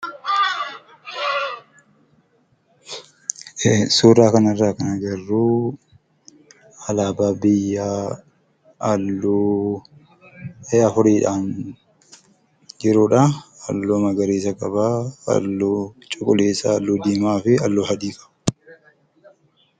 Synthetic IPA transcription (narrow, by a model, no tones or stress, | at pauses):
suːɾaːkɐnɐrːaːkɐnɐd͡ʒɐrːuː | ɐlaːbaːbɪjːaː | ɐlːuː | eːɐfʊɾiːᶑaːn | d͡ʒɪɾʊːᶑɐɐ̰lːoːmɐɡɐɾeːsɐkʼɐba̰ːlːuːt͡ʃʼʊkʼʊleːsalːuːd̪iːmaːfɪɐlːoːhɐd̪iːkɐ̥